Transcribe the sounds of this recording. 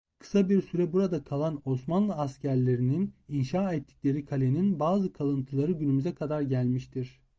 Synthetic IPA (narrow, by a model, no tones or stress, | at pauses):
kʰɯ̥sabiɾsyɾɛbuɾad̪akʰalˠano̞smanlˠɯascʰæɾlʲe̞ɾinininʃaːɛt̪ʰːi̥cʲlʲe̞ɾikʰalʲeninbaːzɯkʰalˠɯnt̪ʰɯlˠaɾɯɟynymyzɛkʰad̪aɾɟælʲmiʃt̪ʰiɾ̥